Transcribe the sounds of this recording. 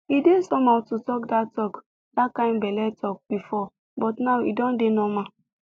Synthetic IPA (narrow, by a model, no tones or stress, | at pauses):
idesɔmatutɔkdatɔk | dakãɪ̃mbɛlɛtɔk̚b̥ifɔ | bɔtnaʊwḭdɔ̃ndenɔma